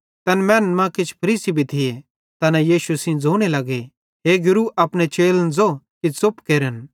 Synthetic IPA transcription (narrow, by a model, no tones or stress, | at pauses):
t̪ɐnmɛ̃ːnmãkɪt͡ʃʰpʰɐɾiːsibʱit̪ʰɪje | t̪ɐnãjiːʃusĩd͡zoːɽ̃elɐɡe | ɦeːɡʊɾuʔɐpɽ̃et͡ʃeːlnd͡zokit͡sʊpkeːɾən